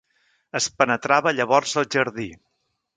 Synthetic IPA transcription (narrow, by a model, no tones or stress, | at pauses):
əspənət̪ɾaβəʎəβɔrzəlˠʒəɾði